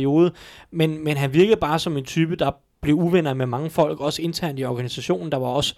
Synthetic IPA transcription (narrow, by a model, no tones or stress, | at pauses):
io̝ːðˠəmenmenɦænʋiɐɡ̥ð̩ˠb̥ɑ̈ːsɒ̽me̝nt͡sʰyːb̥əd̥ɑ̈ | b̥le̝uʋen̰ɐmemɑ̈ŋəfɒ̽l̰ɡ̥ɒ̽səe̝nt͡sʰæɐ̰nd̥iɒɡ̥ænisæɕo̝̰ːnn̩d̥ɑ̈ʋɑ̈ɒ̽sə̥